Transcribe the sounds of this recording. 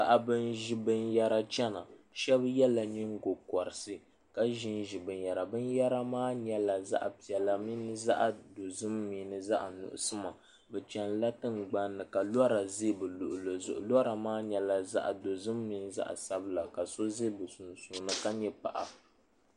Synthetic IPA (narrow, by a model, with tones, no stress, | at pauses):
ka˨ʔa˨bɨ˦nʒi˦bɨ˦nja˦ɾa˦t͡ʃɛ˦na˨ | ʃɛ˦bjɛ˦la˨ɲɨ˦ŋɡo˨kɔ˨ɾɨ˨sɨ˦ | ka˦ʒi˦nʒi˨bɨ˨nja˨ɾa˨bɨ˦nja˦ɾa˦maː˦ɲɛ˦la˨za̰˦ʔpi˨ɛ˨la˨mi˦nɨ˦za̰˦ʔa˨do˨zɨ˦mːiː˨nɨ˨za˦ʔnʊ̰˨ʔʊ̰˦sɨ˦ma˨ | bɛ˨t͡ʃɛ˦n˦la˦tɨ˦nɡ͡ba˦nːɨ˨ka˨lɔ˦ɾa˨ze˦bɨ˨lʊ˨ʔʊ˨lo˨zʊ̰˨ʔʊ˨la˦ɾa˨maː˦ɲɛ˨la˨za̰˦ʔa̰˨do˨zɨ˦mːiː˨nɨ˦za̰˦ʔa̰˨sa˦bɨ˦la˨ka˨so˦ze˦bɨ˨su˨nsu˨nɨ˦ka˦ɲɛ˦pa̰˨ʔa˨